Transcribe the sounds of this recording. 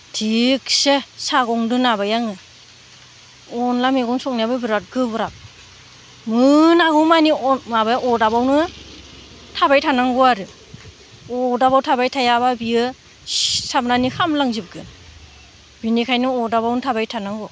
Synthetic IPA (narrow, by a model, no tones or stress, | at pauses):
tʰiksesaɡɔŋdɯnabajaŋɯ | ɔnlameɡɔŋsɔk̚nijabɯbɯɾat̚ɡɯbɯɾap̚ | mɯnaɡɯmanimabajaʔɔdabawnɯ | tʰabajtʰanaŋɡɔaɾɯ | ɔdaβawtʰabajtʰajaβabijɯ | sap̚nanihʰamlaŋzip̚ɡɯn | binikʰajnɯɔdaβawnɯtʰabajtʰanaŋɡɔ